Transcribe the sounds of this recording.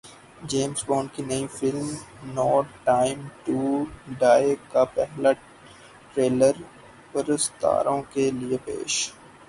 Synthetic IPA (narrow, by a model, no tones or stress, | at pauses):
d͡ʒeːmsbõːnkinɐĩfɪlmnɔːʈaːɪmʈuɖaːkapɛɦla | ʈɾeːləɾ | pəɾəst̪a̰ːɾõkeliepḛːʃ